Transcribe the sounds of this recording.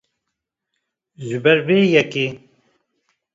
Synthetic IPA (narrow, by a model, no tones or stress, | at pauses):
zubɛɾbeːjɛke